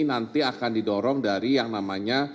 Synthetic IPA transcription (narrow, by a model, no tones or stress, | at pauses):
nant̪iakandidɔɾɔŋdaɾijaŋnamaɲa